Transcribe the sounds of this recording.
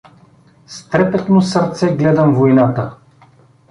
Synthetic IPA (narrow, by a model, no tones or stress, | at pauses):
st̪ɾɛpɛt̪nosəɾt̪sɛɡlɛd̪əmvojnat̪ə